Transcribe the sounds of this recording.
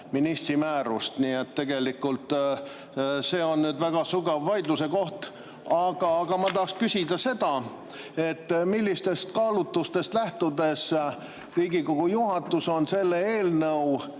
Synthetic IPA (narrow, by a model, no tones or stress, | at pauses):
minist̪ɾimæːɾust̪niːet̪ːe̞ɡ̥e̞likːˑult̪ | se̞ːo̞nnyːd̪væɡ̥ɑsuɡɑvːɑjd̪luse̞ko̞ht̪ | ɑɡ̥ɑɡ̥ɑmɑt̪̬ɑhkskysʲid̪ɑse̞d̪̥ɑ | e̞t̪ːmilʲːist̪e̞st̪kɑːlut̪ːust̪e̞st̪læht̪ud̪e̞s | riːɡiko̞ɡ̥ujuɦɑt̪ːˑuso̞nse̞lːeeːlnɤuw